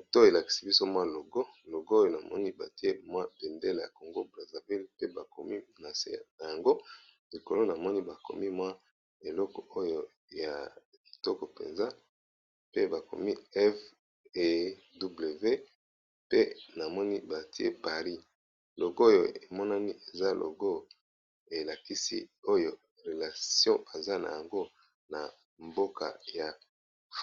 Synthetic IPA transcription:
to˦˨e˨la˨ki̥˨si˦bi˦so˦mwa˦lo˨ɡo˦lo˨ɡo˦jo˨na˨mɔ̰˦ni˦ba̰˨ti˦e˦mwa˦be˨nde˦le˨ja̰˨ko˨ŋɡo˦bʁa˨za˨vi˦lpe˦ba˨ko˨mi˦na˨sḛ˦˨na˨ja˨ŋɡo˦ | li˨ko˨lo˦na˨mɔ˦ni˦ba˨ko̰˨mi˦mwa˦ | e˨lɔ˦kɔ˨o˦jo˦ | ja̰˨ | bi˨tɔ˦kɔ˨pḛ˨nza˦ | pe˦ba˨ko̰˨mi˦ɛ˦f | e˦ | du˦ble˨ve˦ | pe˦na˨mɔ˦ni˦ba˨ti˦ḛ˦pa˨ʁi˦ | lo˨ɡjo̰˨e˨mɔ˦na˦ni˦ʔe˨za˦lʔo̰˨ɡo˦ | e˨la˨ki˦sḭ˦o˦jo˨ | ʁe˨la˨sjɔ̃˦a˨za˦na̰˨ja˨ŋɡo˦ | na˨ | mbo˦ka̰˨ja˨

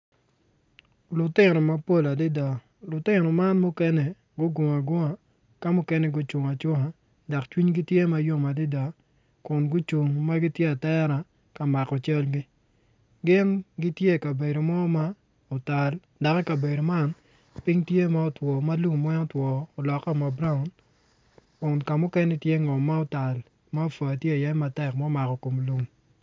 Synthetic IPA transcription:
lʊ˨tɪ˦˨nɔ˨ma˦po˦˨la˨dɪ˦da˨ | lʊ˨tɪ˦nɔ˨ma˦nmʊ˦kɛ˦nɛ˨ | ɡʊ˦ɡo˨ŋa˨ɡɔ˦ŋa˨ | ka˦mʊ˦kɛ˦nɛ˦ɡʊ˦t͡ʃu˨ŋa˨t͡ʃʊ˦ŋa˨ | da˨kt͡ʃwi˦ɲɡi˦tje˦ma˦jo˦ŋa˨dɪ˦da˨ | kʊ˨nɡʊ˦t͡ʃʊ˨ŋma˦ɡɪ˦tje˦a˨tɛ˦ɾa˨ | ka˨ma˨kɔ˨t͡ʃɛ˦lɡɪ˦ | ɡɪ˦nɡi˦tje˦˨ka˨be˨do˨mɔ˦ma˦ | o˨ta˨l | da˨kɛ˦ka˨be˨do˨ma˦˨n | pɪ˦ŋtje˦ma˦o˨twɔ˨ma˦lu˦˨ŋmwɛ˦ŋɔ˦twɔː˨lɔ˨ka˦ma˨bɾa˦ʊ˨n | kʊ˨nka˨mʊ˦kɛ˦ni˦tje˦ŋɔ˨mːa˦ɔ˦ta˨l | ma˦o˦˨fa˨tje˦a˨ja˦ɛ˦ma˨tɛ˨kma˦ma˨kɔ˨ko˨m˨lu˦m

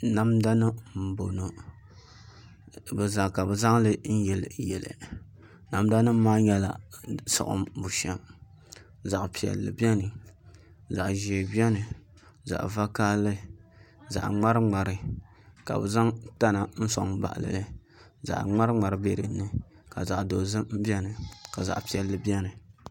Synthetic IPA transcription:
na˦mda˦nɨ˦m̩˨bo˨no˨ | bɨ˨za˨ka˨bɨ˨za˦ŋlɨ˦n̩˦jɛ˨lɨ˨jɛ˨lɨ̰˨ | na˨m˦da˦nɨ˦m̩˦mːaː˦ɲɛ˦la̰˨sʊ̰˨ʔʊ̰˦mbu˨ʃɛ˦m | za˨ʔpi˨ɛ̰˨lːɨ̰˨bi˦ɛ˦nɨ˨ | za˨ʔʒi˨e˨bɛ˦nɨ˨ | za̰˨ʔva˦kaː˦lɨ˦ | za̰˨ʔŋ͡ma˦ɾɨ˦ŋ͡ma˨ɾɨ˨ | ka̰˨bɨ̰˨za˦ŋta˦na˨n̩˦so̰˨ŋba̰˨ʔlɨ̰˨lɨ˦ | za̰˨ʔŋ͡ma˦ɾŋ͡ma˨ɾɨ˦be˦ɾɨ˨˦nːɨ˦ | ka̰˨za˨ʔdo˨zɨ˦m˦bɛ˦nɨ˨ka˨za̰˨ʔpi˨ɛ˨lːɨ˨bi˦ɛ˦nɨ˨

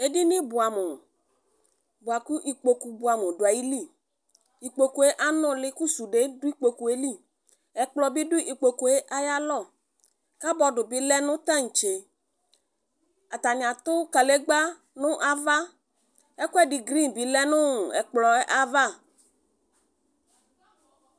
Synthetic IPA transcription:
e˦di˦nɪ̃˦bʊ˨a˨mʊ˨ | bʊ˨a˨ku˦ʔi˨k͡po˨ku˨bʊ˨a˨mʊ˨dʊ˨a˨ji˦li˦˨ | i˨k͡po˨ku˨e˦ʔa˦nʊ̃˦lɪ˦ku˦su˨ɖe˨˦dʊ˦i˦k͡po˨ku˨e˦li˦˨ | ɛ˨k͡plɔ˨bi˦dʊ˦ʔi˨k͡po˨ku˨e˦ʔa˦ja˦lɔ˦˨ | ka˦bɔ˨ɖʊ˨bɪ˦lɛ˦nʊ̃˦t̪a˦ŋ̩˨t͡ʃe˨ | a˨t̪a˨ɲ˨a˨t̪ʊ˦ka˨le˦ɡ͡ba˦ | nʊ̃˦ʔa˨va˦ | ɛ˦kɛ˦˨di˨ɡɾi˦nbi˨˦lɛ˦nʊ̃˦ɛ̰˨k͡plɔ˨ɛ˦ʔa˦va˦˨

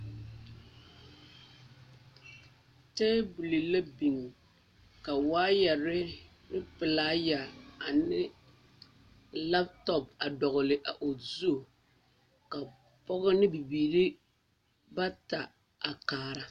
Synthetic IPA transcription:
tɛː˦bu˨li˨la˦bi˨ŋ˨ | ka˨waː˦jɛ˨ɾɪ˦ | nɪ˦pɨ˨laː˦ja˨a˨nɪ˦ | la˦p̚tɔ˨p̚a˨dɔ˨ɣʊ˨lɪ˨ʔa˨ʔo˨zu˦˨ | ka˨ | pɔ˦ɣʊ˦nɪ˦bi˨biː˨ɾi˦ | ba˦ta˨ | a˨kaː˨ɾa˨

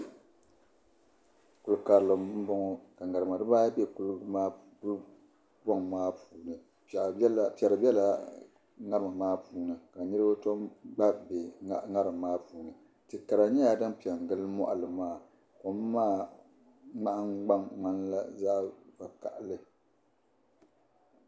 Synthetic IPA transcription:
ku˨lɨ˨ka˨ɾlɨ˨m˦m̩˦bɔ˦ŋɔ˦ka˨ŋa˨ɾɨ˨ma˨dɨ˦baː˦bɛ˦ku˦lɨ˦aː˦ | ku˦l | bɔ˦ŋ˨maː˦puː˨nɨ˨˦˨ | pɛ˨ɾɨ˨bʲɛ˦la˨ | ŋa˦ɾɨ˨mɨ˨maː˦puː˨nɨ˨ka˨nɨ˦ɾɨ˦ba˦to˦mɡ͡ba˦be˨a˦˨ŋa˦ɾɨ˨mː˨aː˦puː˨nɨ˨ | tɨ˨ka˨ɾa˨ɲɛ˦ja˨dɨ˦npi˨ɛ˨ŋ˨ɡɨ˦lɨ˦mɔ̰˦ʔa˨lɨ˨maː˦˨ | ko˨mː˦aː˦ | ŋ͡ma˦ʔa˦ŋɡ͡ba˦mŋ͡ma˦nla˦za˦ʔva˨ka̰˨ʔlɨ˦

